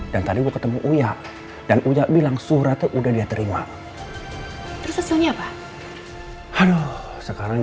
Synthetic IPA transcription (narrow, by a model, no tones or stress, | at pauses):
d̥ant̪adiɡuakət̪əmuʔujaʔ | d̥anʔujaʔbilaŋsuɾat̪ʔudahdiat̪əɾima | t̪əɾʊsasɪlɲaːpa | hado | səkaɾaŋ